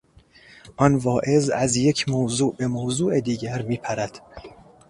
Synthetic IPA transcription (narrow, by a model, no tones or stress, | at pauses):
ʔɒnvɒːʔe̞zæzjecʰmowzuːʔbe̞mowzuːʔed̪iːɟæɾmiːpʰæɾæd̪̥